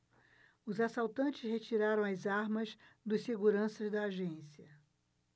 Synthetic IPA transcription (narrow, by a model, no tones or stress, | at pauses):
ʊzasawt̪ɐ̃nt͡ʃɪshet͡ʃiɾaɾɐ̃w̃ɐzaɾmɐzd̪ʊsseɡuɾɐ̃sɐzd̪ɐːʒẽsiɐ